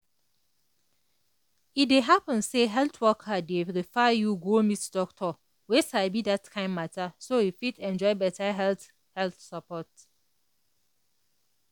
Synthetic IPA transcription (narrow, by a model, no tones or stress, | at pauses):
it̚deɦapə̃nseɦɛltʰwɔkʰadeɹifajuɡomitdɔk̚tʰɔ | wesaɪbidatkʰãɪ̃mːatʰasojifitɛ̃nd͡ʒɔɪbɛtʰaɦɛlθ | hɛlθsapɔt